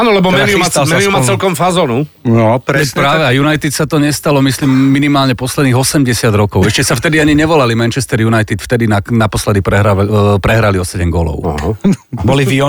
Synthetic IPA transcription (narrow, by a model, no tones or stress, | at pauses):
aːnɔlɛbɔmɛniumamɛniumat͡sɛlkɔmfazɔːnu | nɔpɾpɾaːʋɛajunajt̪it̪sat̪ɔɲɛst̪alɔmislimːinimaːlɲɛpɔslɛd̪niːɣɔsɛmɟɛsɪad̪ɾɔkɔʊɛʃcɛsaft̪ɛd̪iaɲiɲɛʋɔlalimɛnt͡ʃɛst̪ɛɾjunajt̪it̪ft̪ɛd̪inanapɔslɛd̪ipɾɛɦapɾɛɦɾaliɔsɛɟɛmɡɔːlɔ̰ʊa̰ | bɔliviɔ